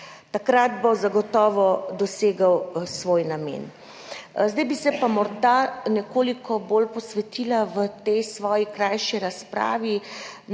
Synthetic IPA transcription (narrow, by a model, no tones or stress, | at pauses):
t̪akɾad̪bozaɡɔt̪ɔːʋɔd̪ɔseːɡawsʋoːjnamḛːn | zd̪ajbisɛpamɔɾd̪anɛkoːlikɔbolpɔsʋɛt̪iːlaʋət̪ɛjsʋɔːjikɾajʃiɾaspɾa̰ːʋin